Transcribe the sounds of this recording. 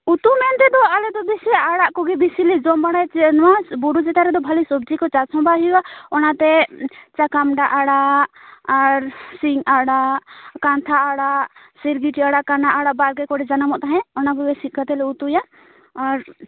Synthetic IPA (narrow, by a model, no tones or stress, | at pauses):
ut̪umɛnt̪ɛd̪ɔalɛd̪ɔb̪ɛsɛaɽaʔkɔɡɛb̪isilɛd͡ʒɔmbaɽajt͡ʃɛnwabuɾud͡ʒɛt̪aɾɛd̪ɔbʱalisɔb̚d͡ʒikɔt͡ʃat͡ʃʰɔ̃mbaɦiwaɔnat̪ɛt͡ʃakamɖaʔaɽa | aɾsiŋaɽaʔkant̪ʰaʔːɽaʔ | siɾɡiʈiaɽaʔkanaʔaɽaʔbalɡɛkɔɖɛd͡ʒanamɔʔt̪aɦɛ̃ɔnakɔɡɛsit̪̚kʰat̪ɛlɛut̪ujaː | ɾ